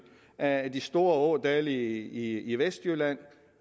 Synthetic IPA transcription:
æd̥isd̥o̝ːɐɔːd̥æːliiiʋesd̥jølæn̰

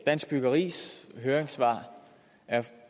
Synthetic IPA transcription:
d̥æn̰sɡ̥̚b̥yɡ̥ɐʁḭːsɦøːɐeŋsʋɑ̰̈ː | æɐ

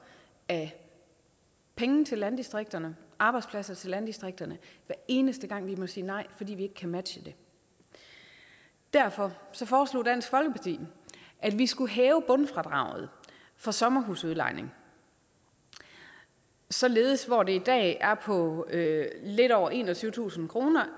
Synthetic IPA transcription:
æ | pʰeŋn̩t͡sʰe̝lːænd̥isd̥ʁeɡ̥̚d̥ɐnəʔɑ̈ːb̥ɑ̈ɪdspʰlæsɐt͡sʰe̝lænd̥isd̥ʁeɡ̥̚d̥ɐnəʋæɐe̝ːnəsd̥əɡ̥ɑ̈ŋ̰ʋimɔ̽siːnɑ̈ɪ̰fɒd̥ḭːʋie̝ɡ̥ə̥kʰæmæd̥ɕəd̥e̝ | d̥æɐ̰fɒ̽sɒ̽fɒːslo̝̰ːd̥æn̰sɡ̥fɒ̽lɡ̥əpʰɑ̈t͡sʰḭːʔæd̥ʋisɡ̥uɦɛːʊəb̥ɔ̽nfʁɑ̈d̥ʁɑ̈ʊð̞̩ˠ | fɑ̈sɒ̽mɐɦṵːsuðˠlɑ̈ɪ̰nʔe̝ŋ | sɒ̽le̝ːð̞̩ˠəsʋɒd̥e̝id̥ɛ̰ːæɐpʰɒ̽ | le̝ɾ̥ɒʊɐʔe̝ːnɒt͡sʰyʊt͡sʰṵːsn̩kʰʁo̝ːnɐ

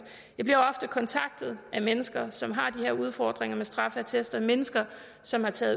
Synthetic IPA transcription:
jɑ̈ɪb̥liɐɒ̽fd̥əkʰɒ̽nt͡sʰɑ̈ɡ̥̚d̥ð̩ˠʔæmenəsɡ̥ɐsɒ̽mɦɑ̈d̥iheɐuð̞ˠfɒ̰ːd̥ʁeŋɐmesd̥ʁɑ̈fəæt͡sʰesd̥ɐmenəsɡ̥ɐ | sɒ̽mhɑ̈t͡sʰɛ̰ːð̩ˠ

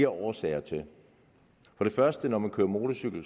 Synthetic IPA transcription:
ɐʔɒːsɛːɐt͡sʰe̝l | fɒ̽ɾ̥e̝fɶɐsd̥ənɒmænkʰøːɐmo̝ːdəsyɡ̥l̩

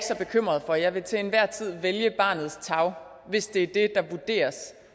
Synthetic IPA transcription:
ɡ̥sɒ̽b̥e̝kʰøm̰ʁɐðˠfɒ̽jɑ̈ɪʋe̝t͡sʰeenʋæɐ̰t͡sʰið̰ˠʋeljəb̥ɑ̈ːnð̞̩ˠst͡sʰɑ̈ʊ | ʋe̝sd̥e̝æɐd̥e̝d̥ɑ̈ʋud̥e̝̰ːɐs

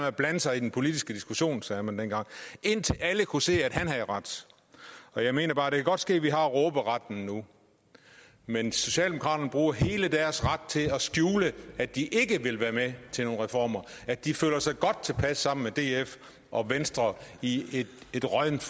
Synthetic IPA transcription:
meæb̥lænəsɑ̈ɪid̥enpʰo̝lid̥isɡ̥əd̥isɡ̥uɕo̝̰ːnsɛːɐmænd̥enɡ̥ɑ̈ŋ̰e̝n̰t͡sʰe̝læləkʰuse̝̰ːæd̥hænɦæʁɑd̥ | ɒ̽jɑ̈ɪme̝̰ːnɐb̥ɑ̈ːɾ̥ekʰæɡɒ̽d̥sɡ̥e̝̰ːʋiɦɑ̈ʁɔːb̥əʁɑd̥n̩nu | menso̝ɕɛ̰ːldemokʰʁɑ̈ːɾ̥ɐnəb̥ʁuːɐɦe̝ːləd̥æɐsʁɑd̥̚t͡sʰe̝lɒ̽sɡ̥juːləæd̥iʔe̝ɡ̥əʋe̝lʋæːɐmet͡sʰe̝no̝ːnʁɛfɒ̰ːmɐæd̥ifø̰ːlɐsɑ̈ɪɡ̥ɒ̽d̥̚t͡sʰe̝lpʰæsːɑ̈m̰n̩med̥e̝̰ːef | ʔɒ̽ʋensd̥ʁɐie̥e̝d̥ʁɒðn

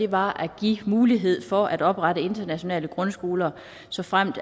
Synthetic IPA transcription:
e̝ʋɑ̈ʔæɡ̥ḭmuːliɦe̝ð̞̰ˠfɒ̽ʔæɾ̥ɒ̽b̥ʁɑ̈ɾ̥əe̝nd̥ɐnæɕo̝nɛ̰ːləɡ̥ʁɔ̽nsɡ̥o̝ːlɐ | sɒ̽fʁam̰d̥

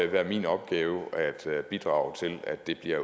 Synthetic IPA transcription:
ʋæɐ̰mḭːnɒ̽b̥̚ɡ̥ɛːʊæd̥b̥id̥ʁɑ̰̈ːʊt͡sʰe̝læd̥ːe̝b̥liɐ̰

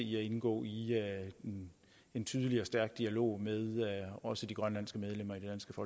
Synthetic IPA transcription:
iæe̝nɡ̥ɔ̰ːi | e̝nt͡sʰyːð̞ˠəliɒsd̥æɐɡ̥d̥iælo̝̰ːmeð̞ˠɒ̽səd̥iɡ̥ʁɶnlæn̰sɡ̥əmeð̞ˠlem̰ɐid̥e̝d̥ænsɡ̥əfɒ̽

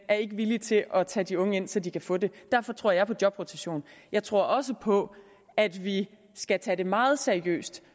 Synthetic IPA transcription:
æɐe̝ɡ̥əʋilit͡sʰe̝ʔɒ̽t͡sʰɛ̰ːd̥iɔ̽ŋəe̝n̰sɒ̽d̥ikʰæfɔ̰̽ːde̝d̥æɐ̰fɒ̽t͡sʰʁo̝ɐ̰jɑ̈ɪpʰɒ̽d̥jɒ̽b̥ʁot͡sʰæɕo̝̰ːnjɑ̈ɪt͡sʰʁo̝ɐ̰ɒ̽s̬əpʰɒ̽ | æd̥ʋi | sɡ̥æt͡sʰɛːd̥e̝mɑ̈ːð̞̩ˠseɐiø̰ːsd̥

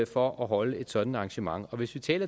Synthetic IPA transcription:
fɒʔɒɦɒ̽ləe̝d̥sɒ̽d̥n̩dɑ̈ŋɕəmɑ̈ŋɒ̽ʋe̝sʋit͡sʰɛ̰ːlɐ

